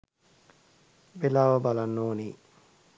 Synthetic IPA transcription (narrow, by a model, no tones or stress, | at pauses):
belaːʋəbalanːoːniː